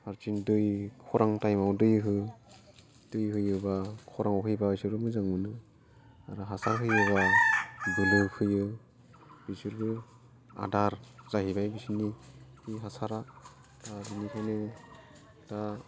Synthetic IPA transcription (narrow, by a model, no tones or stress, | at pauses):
haɾt͡ʃindɯjkʰɔɾʔaŋtajmawdɯjɦɯ | d̥ɯjɦɯjɯbakʰɔɾaŋawɦɯjbasɯɾɯmɯzaŋɯnɯ | a̰ɾɯɦasaɾɦɯjɯba | bɯlɯkʰɯjɯ | bisɯɾbɯ | a̰daɾz̥aɦibajbisinihiɦasaɾa | tadɯnikʰajnɯ | da